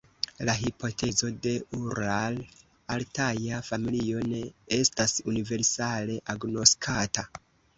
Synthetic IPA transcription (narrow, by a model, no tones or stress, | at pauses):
laɦipʰo̞tʰe̞zo̞de̞uɾal | altajafamilio̞ne̞estasunive̞ɾsale̞ʔaɡno̞skʰata